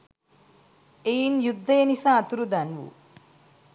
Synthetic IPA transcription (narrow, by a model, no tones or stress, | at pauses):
ejnjud̪ʱːɐjɐnisaːt̪uɾud̪ɐnʋṵ